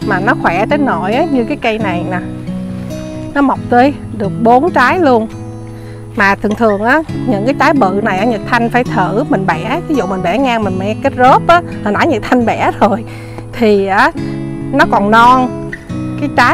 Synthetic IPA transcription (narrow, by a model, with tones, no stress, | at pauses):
maː˨˩nɔ˨˦xwɛ˧˩t͡ɕ̪e˨˦nno˧˩jʔaː˨˦ɲɨ˧kaː˨˦jkə˧jna˨˩jna˨˩ | nɔ˨˦ma˨˩wk͡p̚t̪ə˧˦j | ɗɨ˨˩ək̚ɓo˨˦nt͡ɕaː˨˦jlu˧ən | maː˨˩t̪ʰɨ˨˩əŋt̪ʰɨ˨˩əŋʔaː˨˦ɲɨ̰˧˥ŋkaː˨˦jt͡ɕaː˨˦jɓɨ̰˧˨na˨˩jʔaː˧˨˦ɲə˨˩t̚t̪ʰa˧jŋ̟faː˧˩jt̪ʰɨ˧˩˨mï˨˩ŋ̟ɓɛ˧˩˥vi˨˦zṵ˧˨mi˨˩ŋ̟ɓɛ˧˩ŋaː˧mï˨˩ŋmɛ̰˧˥kə˦˥t̚zo˦˥p̚ʔaː˨˦ | hə˨˧˩naː˧˦ɲə˨˩t̪ʰa˧jŋɓɛ˧˩˥zo˨˩j | t̪ʰi˨˩ʔaː˨˦nɔ˨˦kɔ˨˩nnɔ˧nkaː˨˦jt͡ɕaː˨˦